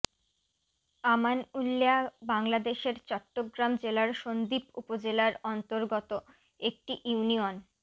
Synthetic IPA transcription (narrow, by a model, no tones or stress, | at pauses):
amanulːeabaŋlad̪eʃeɾt͡ɕɔʈːoɡɾamd͡ʑelaɾʃond̪ipṵpod͡ʑelaɾɔnt̪oɾɡɔt̪o | ek̚ʈiʔuunion